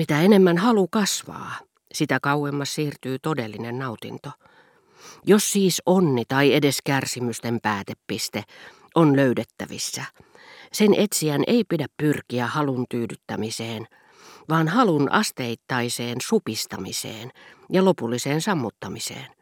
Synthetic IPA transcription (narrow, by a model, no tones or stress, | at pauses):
mit̪æenemːænhɑlukɑsʋɑ̰ː | sit̪ækɑuwemːɑssiːrt̪yːt̪odelːinennɑut̪ḭnt̪o | josːiːsonːit̪ɑiedeskærsimyst̪empæːt̪epːist̪e | ʔonløydet̪ːæ̰ʋḭsːæ | senʔet̪siænʔḛipidæppyrkiæhɑlunt̪yːdyt̪ːæmiseːn | ʋɑːnhɑlunɑ̰st̪eit̪ːɑiseːnsupist̪ɑ̰misḛːnjɑlopulːiseːnsɑmːut̪ːɑmisḛːn